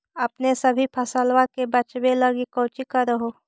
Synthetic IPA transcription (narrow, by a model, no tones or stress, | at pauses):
ɐpnesɐbʱipʰɐsəlʋakebɐt͡ʃbelɐɡikoːt͡ʃikaɾɐɦoː